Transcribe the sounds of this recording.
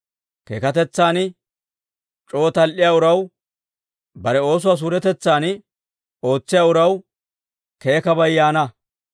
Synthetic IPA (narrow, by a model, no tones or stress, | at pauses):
keːkɐt̪ɛt͡sːaːn | t͡ʃʼoːt̪ɐlʔɪjaːʊɾɐw | bɐɾɛo̞ːs̬ʊwaːs̬uːɾɛt̪ɛt͡sːaːn | o̞ːt͡sːɪjaːʊɾɐw | ke̞ːkɐbɐjːaːnɐ